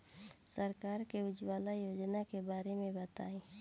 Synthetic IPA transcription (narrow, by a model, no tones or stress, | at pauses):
səɾkaːɾkeʊd͡ʒwaːlajoːd͡ʒnakebaːɾemẽbət̪aːiː